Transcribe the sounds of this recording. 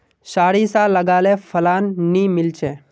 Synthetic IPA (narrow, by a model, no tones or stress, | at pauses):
saːɽiːsaːlːəɡaːlefʰəlaːnːiːmɪlt͡ʃʰeː